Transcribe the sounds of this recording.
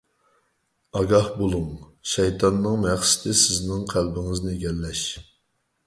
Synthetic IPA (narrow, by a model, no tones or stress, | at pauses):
ɑɡɑhbolˠuŋʃɛjt̪ʰɑnːɨŋmɛχsɪ̥t̪ʰɪsɪznɪŋqʰælbɪŋɪznɪeɡʲɛlːɛʃ